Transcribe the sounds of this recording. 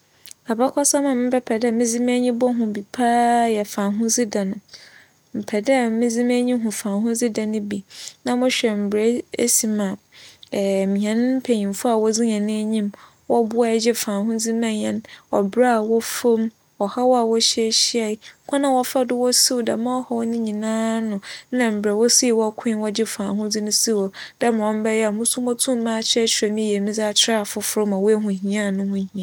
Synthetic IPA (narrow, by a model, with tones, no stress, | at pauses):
a˨ba˦kʰɔ˦sa˦mã˨mɪ̃˦pʰɛ˦pʰɛ˨dɛ˦mĩ˦d͡zi˦m˦ɛ˦ɲĩ˦bɔ˦ɦʊ̃˨bi˨pʰaː˦jɛ˨fã˨ɦʊ̃˦d͡zi˦da˨nʊ̃˨ | m̩˨pʰɛ˨dɛ˦˨mɪ̃˦d͡zi˦m˦æ˦ɲĩ˦ɦʊ̃˨fã˨nɦʊ̃˦d͡zi˦da˨nʊ̃˦bi˨nã˦mʊ̃˦ɕᶣɛ˨m̩˨bɾe˨˦e˦si˨mã˨ | mĩ˨ɛ̃˨˦ñ˦m̩˦pʰe˨ɲĩ˨m˨fʊ˦a˨wɔ˦d͡zi˦ɲɛ̃˨nɪ̃˦e˦ɲĩ˦m | wɔ˦bʊ˦a˦˨d͡ʑɪ˦fã˨ɦʊ̃˦d͡zi˦mã˦ɲɛ̃˦nwɔ̰˨bɾa˦a˨wɔ˦fo˦m | wɔ˨ha˦wɔ˦a˨wɔ˦ɕi˦ɛ˦ɕi˦a˨˦kʷʰã˦nã˨wɔ˦fa˦dʊ˦wɔ˦si˦wda̰˨mã˦ɔ˦hɔ˨wɔ˦nɪ̃˦ɲĩ˨nãː˦nʊ̃˨˦nã˨m̩˨bɾɛ˨wɔ˦si˦˨wɔ˦kʰʊ̃˦wɔ˦d͡ʑɪ˦fãː˨ɦʊ̃˦d͡zɪ˦nʊ̃˦si˦wɔ˨d̥a˦mã˨wɔ̃˦m˦bɛ˦jɛ˦a˨mʊ̃˦su˦mɔ̃˦tʰũ˦m˦mã˦˨t͡ɕʰɪ˦ɛ˦t͡ɕʰᶣɪ˨ɾɛ˨mĩ˦je˨nĩ˦d͡za˦˨t͡ɕʰɪ˦ɾa˦a˨fʊ˦fʊ˦ɾʊ˦mã˨wo˦e˦ɦũ˨ɦĩ˨˦ã˦˨nʊ̃˦hʊ̃˦hĩ˨ã˨